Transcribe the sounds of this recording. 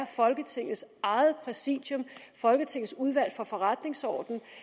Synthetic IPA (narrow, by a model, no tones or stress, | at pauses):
ɐfɒ̽lɡ̥ət͡sʰe̝ŋ̰ð̩ˠsɑ̈ɪð̩ˠpʰʁɛsḭ̥ːjɔ̽mfɒ̽lɡ̥ət͡sʰe̝ŋð̩ˠsuð̞ˠʋæl̰fɒ̽fɒ̽ʁad̥ne̝ŋsɒ̰ːd̥n̩